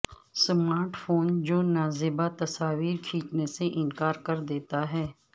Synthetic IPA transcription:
smaːɾʈfʰoːnd͡ʒoːnaːzɪbat̪ɐsaːʋiːɾkʰiːt͡ʃneseʔɪnkaːɾkɐɾd̪eːt̪aɦɛː

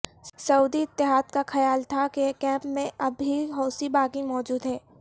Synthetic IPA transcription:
sɐuːd̪iɪt̪ːɪɦaːd̪̚kaxɐjaːlt̪ʰakekɛ̃ːpmẽɐbʱiɦɔːsibaːkimɔːd͡ʒuːd̪ɦɛː

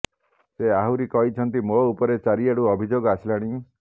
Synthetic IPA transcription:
seaɦuɾikɔɦit͡ʃʰɔnt̪imoupɔɾet͡ʃaɾieɽuɔbʱid͡ʒoɡɔasilaɽ̃i

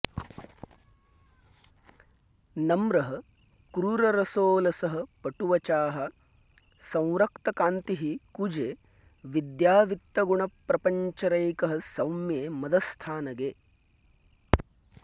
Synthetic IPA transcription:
nɐmɾɐɦɐ | kɾuɾɐɾɐsoːlɐsɐɦɐ̆pɐʈuʋɐt͡ʃaːɦɐ | sɐ̃w̃ɾɐkt̪ɐkaːnt̪iɦikud͡ʒeː | ʋid̪jaːʋit̪ːɐɡuɳɐpɾɐpɐɲt͡ʃɐɾɐjkɐɦɐ̆sɐwmjeːmɐd̪ɐst̪ʰaːnɐɡeː

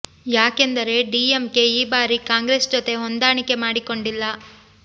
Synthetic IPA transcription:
jaːke̞nd̪ɐɾe̞ɖiːemke̞iːbaːɾikaːŋɡɾesd͡ʒot̪e̞ɦond̪aːɳike̞maːɽiko̞ɳɖilːɐ

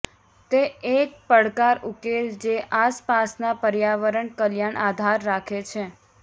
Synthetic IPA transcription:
t̪eek̚pəɽkaɾukeld͡ʒeʔaspasnapəɾjaʋəɾəɳkəljaɳʔad̪ʱaɾːakʰet͡ʃʰe

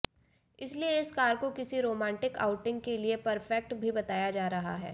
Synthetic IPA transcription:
ɪslieɪskaːɾkokɪsiɾoːmɛ̃ːɳʈɪka̰ːʊʈɪ̃ŋɡkeliepɐɾfɛk̚ʈbʱibɐt̪aːjad͡ʒaːɾɐɦa̰ɦɛ̰ː

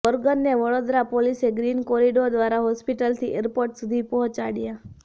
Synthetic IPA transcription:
ʋəɾɡənːeʋəɽod̪ɾapoliseɡɾinkoɾiɖod̪ʋaɾaɦɔspiʈəlt̪ʰiʔeɾpoɾʈsud̪ʱipɔɦɔ̃t͡ʃaɽja

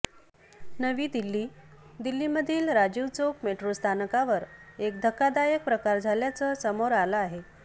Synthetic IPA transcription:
nəʋiːd̪ilːiːd̪ilːiməd̪ʱiːlɾad͡ʑuʋt͡sokmeʈɾost̪ʰanəkaʋəɾekd̪ʱəkːad̪ajək̚pɾəkaɾd͡zʱaljat͡səːsəmoɾaləaɦe

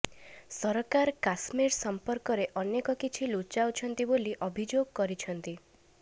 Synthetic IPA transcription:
sɔɾkaɾkasmiɾsɔmpɔɾkɔɾeʔɔnekɔkit͡ʃʰilut͡ʃawt͡ʃʰɔnt̪iboliʔɔbʱid͡ʒoɡ̚kɔɾit͡ʃʰɔnt̪i

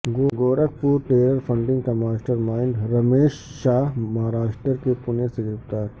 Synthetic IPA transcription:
ɡoɡoːɾək̚puːɾʈeːɾəɾfʰɐ̃ɳɖɪ̃ŋɡkɐmaːʃʈəɾmaːɪɳɖɾɐmeːʃːaːɦmɐɦaːɾaːʃʈəɾkepʊnesɪɡɾɪft̪aːɾ

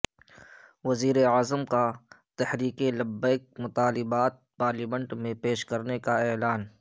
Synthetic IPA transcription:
ʋɐziːɾeaːzəmka | t̪ɛhɾiːkelɐbːəɪk̚mʊt̪aːlɪbaːt̪̚paːɾlimə̃ɳʈmẽpeːʃkɐɾnekaeːlaːn

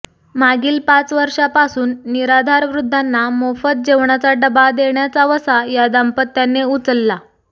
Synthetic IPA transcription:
maɡiːlpat͡sʋəɾʂapasuːnːiɾad̪ʱaɾʋɾud̪ʱːanːamofət̪̚d͡ʑeʋɳat͡saɖəbad̪eɳjat͡saʋəsajad̪ampət̪ːjanːeut͡səlːa

